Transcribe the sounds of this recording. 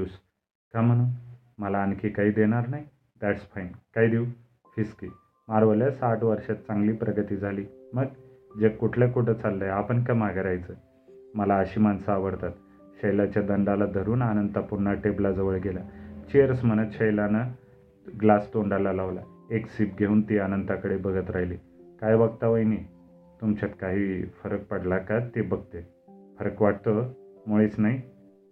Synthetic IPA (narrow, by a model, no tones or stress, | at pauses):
us | kam̤əɽ̃u | məlaːnkiːkaɦiːd̪eɽ̃aɾnaɦj | d̪æʈsfajnkaɦiːd̪iw | fiskiː | maɾʋəljasaʈʰʋəɾɕat̪̚t͡sãŋɡliːpɾʔəɡət̪iːd͡zʱaliːməɡ | d͡ʑekuʈʰlekuʈʰət͡salːəeapəɳkamaɡɾajt͡səː | məlaəɕiːmansaːʋəɽt̪at̪ | ɕəjlat͡ɕjad̪əɳɖalad̪ʱəɾuːnanənt̪apunːaʈeblad͡zəʋəɭɡelat͡ɕeəɾsm̤ənət̪ɕəjlana | ɡlast̪oɳɖalalaʋla | eksiːp̚ɡʱeuːnt̪iːanənt̪akəɽebəɡət̪ɾaɦjliː | kajʋəɡ̚t̪aʋəjniː | t̪umt͡ɕat̪kaɦiːfəɾək̚pəɽlakat̪ːebəɡ̚t̪e | fəɾəkʋaʈ̚t̪əmoɭiːt͡snaɦi